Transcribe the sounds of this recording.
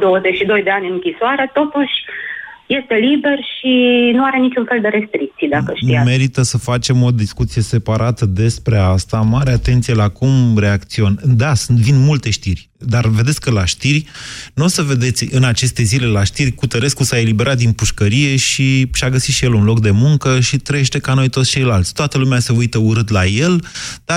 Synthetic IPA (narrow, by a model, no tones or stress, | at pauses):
d̪owəzet͡ʃʃid̪o̞jd̪e̞anʲɨnɨŋkʲisoaɾe̞t̪o̞t̪uʃʲje̞st̪e̞libe̞rʃinuaɾe̞nit͡ʃunfe̞ld̪e̞ɾe̞st̪ɾik̚t̪sijd̪akəʃt̪iame̞ɾit̪əsəfat͡ʃe̞mo̞d̪iskut̪sije̞se̞paɾʔat̪əd̪e̞spɾe̞ast̪amaɾeat̪e̞nt̪sije̞lakumɾe̞akt̪sio̞nʲd̪asunt̪vinmult̪e̞ʃt̪irʲ | d̪arve̞d̪etsʲkəlaʃt̪irʲnuosəve̞d̪e̞t̪sʲɨnat͡ʃe̞st̪e̞zile̞laʃt̪irʲkut̪əɾe̞skusae̞libe̞ɾʔat̪̚d̪inpuʃkəɾije̞ʃiʃaɡəsit̪ʃijelunlokd̪e̞muŋkəʃit̪ɾəjeʃt̪e̞kano̞jt̪ot̪sʲt͡ʃe̞jlalt̪sʲt̪oat̪əlumease̞ujt̪əuɾɨt̪laje̞ld̪̥a